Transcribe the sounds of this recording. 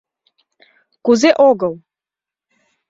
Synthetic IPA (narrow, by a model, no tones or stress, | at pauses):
kuzeʔoɡəlˠ